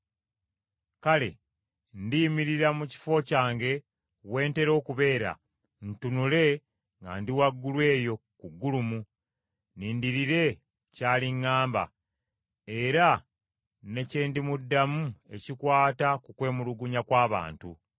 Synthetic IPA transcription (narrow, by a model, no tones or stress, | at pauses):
kale̞̰ | ndimiɾiɾamuci̥fo̞caːŋɡe̞ | βwe̞ːnte̞ɾo̞ːkuβe̞ːɾa̰ | n̩tunule̞ | ŋɡa̰ndiwaɡːulwe̞ːjo̞kuɡːulumu | niːndiɾiɾe̞ | caːliŋːaːmba̰ | e̞ɾa | ne̞ceːndimudːamue̞̰cikwaːtakukwe̞ːmuluɡuɲakwaːβa̰ːntṵ